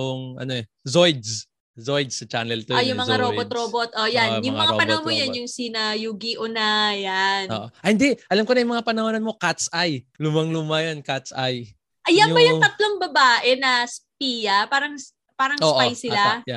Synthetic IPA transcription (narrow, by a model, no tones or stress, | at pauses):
ʊŋɐ̰noɛ | zojd̪s | zojd̪sɐt͡ʃa̰nɛlt̪oajʊŋmɐŋaɾobot̪̚ɾobot̪̚ʔojanjʊŋɐŋapɐnɐonmmojɐnjʊŋsiːnɐjuːɡiʔʊnajano̰ːʔoʔɐhɪnd̪ɛʔɐlamkonɐjʊŋmɐŋapɐnɐhonɐnmo̞kat̪sajlʊmɐŋlumajonkat̪sʔa̰j | ʔɐjajbɐjʊt̪ɐt̪loŋbɐbaːʔɛnɐsp̚iːjɐpaːɾɐŋs | paːɾɐŋosːʔpajsɪlaja